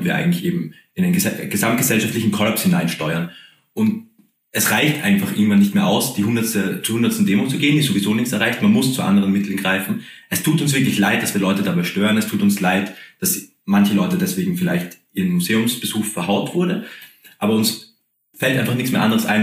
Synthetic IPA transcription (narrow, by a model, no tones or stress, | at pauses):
nv̥iːɐa̰ɪŋ̩tlɪçʔeːbm̩ | ɪnaɪnɛɡ̥əzamt̚ɡ̥əzɛlʃaftlɪçn̩kʰɔlɐpshɪnaɪnʃtɔʏɐn | ʔʊnt | ʔɛsʁaɪçtʔa̰ɪɡnfaχʔɪɐɡŋ̩tv̥anːɪçtmeːɐʔa̰ʊsd̥iːhʊndɐstət͡suhʊndɐtstn̩deːmʊt͡suɡeːənd̥iːzovizoːnɪçt͡sɛɐʁaɪçtmanmʊst͡suʔa̰ndəʁənmɪtʰl̩n̩ɡʁaɪfn̩ | ʔɛstʰuːtʊnsv̥ɪɐklɪçlaɪt̚d̥asv̥iːɐlɔʏtədabaɪʃtøːʁənɛstʰuːtʊnslaɪtd̥as | mançəlɔʏtədɛsv̥eːɡŋ̩fɪla̰ɪçtʔiːɐʁənmuzeːʊmsb̥əzuːxfɛɐɦaʊtv̥ʊɐdə | ʔaːbɐʊns | fɛltʔaɪnfaχnɪçt͡ssmeːɐʔandəʁəsʔa̰ɪn